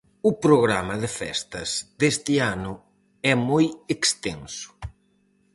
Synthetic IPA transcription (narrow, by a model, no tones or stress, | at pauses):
ʊpɾoɣɾamɐðɪfɛ̰st̪ɐz̥d̪est̪ɪanʊ | ɛmojekst̪ḛnsʊ̥